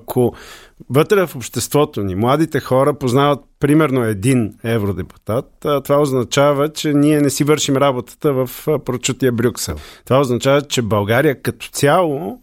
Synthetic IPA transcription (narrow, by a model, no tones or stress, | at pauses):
kʰovət̪ɾɛvɐfopʃt̪ɛst̪vɔt̪onimlˠad̪it̪ɛxɔɾəpoznavət̪̚pɾimɛɾnoɛd̪inɛvɾod̪ɛpu̥t̪at̪ːt̪ːovaoznɐt͡ʃavət͡ʃɛniɛnɛsivɤɾʃimɾabot̪ə̥t̪əvɐfpɾot͡ʃut̪iəbɾʲuksɛ̰lˠt̪ovaoznɐt͡ʃavət͡ʃɛbɐlˠɡaɾijəkɐt̪ɔ̥t̪sʲjalˠo